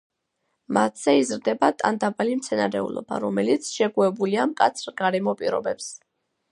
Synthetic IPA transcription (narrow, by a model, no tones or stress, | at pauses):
mat̪ʰz̥ɛizɾd̪ɛbat̪ʼand̪abalimt̪sʰɛnaɾɛṵlɔ̰ba̰ɾɔmɛlit̪sʰʃɛɡuɛbuliamkʼat̪sʰɾɡaɾɛmɔpʼiɾɔ̰bɛps